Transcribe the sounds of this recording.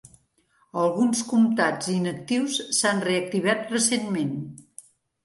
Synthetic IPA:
əlˠɣunskumt̪ad͡zinək̚t̪iwsːanreək̚t̪iβ̞at̪rəsenmen

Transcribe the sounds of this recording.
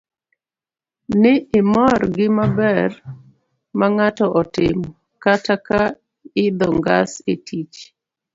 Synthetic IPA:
nɪʔɪmɔrɡɪmabɛr | maŋatɔʔɔtɪm | kataka | ɪd̪ɔŋɡa̰setʰit͡ʃ

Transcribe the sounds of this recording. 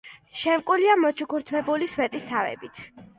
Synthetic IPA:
ʃɛmkʼuliamɔt͡ʃʰukʰuɾt̪ʰmɛbuliswɛt̪ʼist̪ʰavɛ̰bit̪ʰ

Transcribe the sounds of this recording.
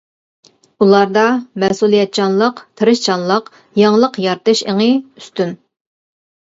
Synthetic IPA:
ulˠɑɾd̪ɑmɛhsulˠijɛt̪̚t͡ʃʰɑnlˠəqt̪ʰɨɾɨʃt͡ʃʰɑnlˠəq | jɑŋlˠəqjɑɾt̪ɨʃḛŋəyst̪ʰyn

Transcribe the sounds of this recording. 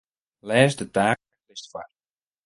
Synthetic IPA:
lɛːzdətaːɛklɪstfa̰r

